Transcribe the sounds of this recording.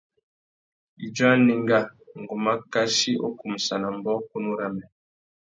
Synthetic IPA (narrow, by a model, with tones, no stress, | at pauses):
i˨d͡ʒwa˦ni˦ŋɡa˦ŋ˨ɡu˨ma˦ka˦ʃi˦ʔo̰˦ku˨m̩˨sa˨na˨m˦bɔ˦ku˦nu˦ɾa˦mɛ˨